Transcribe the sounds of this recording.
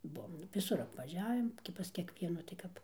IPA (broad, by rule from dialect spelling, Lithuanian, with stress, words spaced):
ˈbuɔm ʋʲɪˈsʊr ɐpʋɐˈʒʲæːʋʲɪm ɡʲɪ pɐs kʲiɛkˈʋʲiɛnuː tɐɪ ˈkɐp